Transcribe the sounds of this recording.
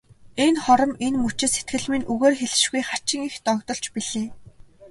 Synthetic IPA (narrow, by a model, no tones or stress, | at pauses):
enχɔɾɞ̆menmut͡ɕɪ̆set̪̚ɡɘ̆ɮminuɣeːrxeɮɘ̆ʃɡujχat͡ɕɪ̆ŋixt̪ɔkt̪ɞ̆ɬt͡ɕpiɮeː